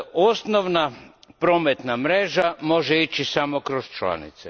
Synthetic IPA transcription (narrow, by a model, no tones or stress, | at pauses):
osnoʋnapɾo̞met̪namɾeʒamo̞ʒeit͡ʃisamokɾost͡ʃla̰nḭt̪se